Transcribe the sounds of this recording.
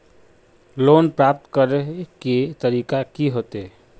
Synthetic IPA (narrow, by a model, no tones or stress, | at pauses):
loːnpɾaːp̚t̪kəɾɦket̪əɾiːkakiɦoːt̪e